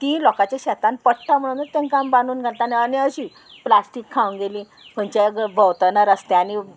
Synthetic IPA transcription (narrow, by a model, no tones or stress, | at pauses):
t̪ĩlɔkat͡ɕaɕɛt̪ãnpəɽt̪am̤əɽ̃ũnt̪əɾt̪ẽnkambanuːnɡʱat̪aneəniəɕiː | plasʈiːkʰːaũnɡeliː | pʰənt͡ɕeɡbʱəwt̪ənaɾəst̪eani